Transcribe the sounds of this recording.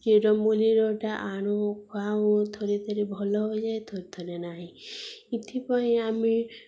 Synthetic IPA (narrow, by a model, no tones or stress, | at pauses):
keɾɔmuliɾɔʈaʔaɽ̃okʰaõt̪ʰoɾet̪ʰɔɾebʱɔlɔɦod͡ʒajt̪ʰɔɾit̪ʰɔɾenaɦĩit̪ʰipɔĩami